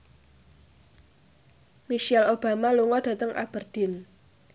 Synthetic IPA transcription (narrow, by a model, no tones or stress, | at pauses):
miʃɛlob̥a̤maluŋɔɖ̥ä̤t̪əŋʔa̰b̥ərd̪̥ɪ̤n